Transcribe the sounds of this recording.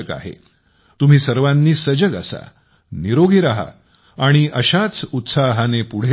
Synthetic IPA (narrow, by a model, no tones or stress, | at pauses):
ka̰ɦḛ | t̪um̤iːsəɾʋanːiːsəd͡ʑəɡa̰sa̰ | niɾoɡʱiɾaɦa̰ː | ɽ̃iʔəɕat͡sut̪saɦanepuɽ̤e